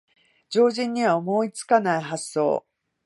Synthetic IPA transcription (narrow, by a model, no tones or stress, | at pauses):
d͡ʑo̞ːʑĩɲ̟ːiβaomo̞ːit͡sɨ̥kanaiɦasːo̞̰ː